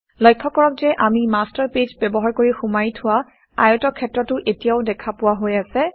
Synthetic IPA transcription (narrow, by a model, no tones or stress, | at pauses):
lɔjkʰːɔkɔɹɔk̚zɛʔamimastaɹped͡ʒbɛbɔɦaɹkoɹixumajtʰʊwa | a̰jɔtɔkʰɛtɹɔtʊʔetijaʊdɛkʰapʊwaɦojasɛ